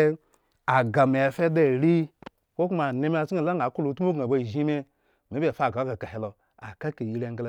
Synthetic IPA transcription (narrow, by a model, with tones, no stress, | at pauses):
a˨ɡa˨me˨a˨fe˦da˦˨ɾi˦ | kʷo˦ku˦ma˨ne˧me˦a˨sa˨la˦a˨˦ku˦lo˨˦tu˦o˦ɡa˨ba˦˨ʒi˦me˦ | m˨e˦bʲe˨fa˨ɡa˨˦ka˨ka˨he˨lo˨ | a˨ka˦ke˨ji˨˦ɾa˨ŋɡla˨˦